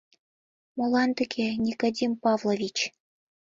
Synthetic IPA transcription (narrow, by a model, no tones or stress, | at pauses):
molˠɑnt̪ɘ̆kʲenʲikod̪ʲimpɑvlˠovʲit͡ɕ